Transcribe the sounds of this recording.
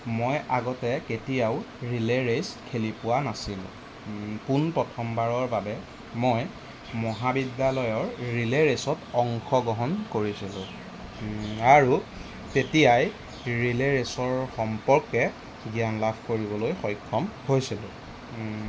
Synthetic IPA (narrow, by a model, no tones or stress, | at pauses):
mojaɡɔtɛketijaw | ɹileɹeskʰelipʊwanasilʊ̰̃ | punpɹɔtʰɔmbaɹɔɹbabɛ | moj | mɔɦabidjalɔjɔɹɹileɹesɔtɔŋxʰɔɡɔɦɔnkoɹisilʊ̰̃ | aɹu | tetijaj | ɹileɹesɔɹxɔmpɔɹkɛ | ɡijanlabʰʱkoɹibɔlojxɔjkʰːɔmhojsilʊ̰̃